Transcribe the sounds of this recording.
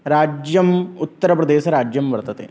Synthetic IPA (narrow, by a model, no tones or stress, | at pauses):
ɾaːd͡ʒjɐmut̪ːɐɾɐpɾɐd̪eːʃɐɾaːd͡ʒjɐmʋɐɾt̪ɐt̪ḛ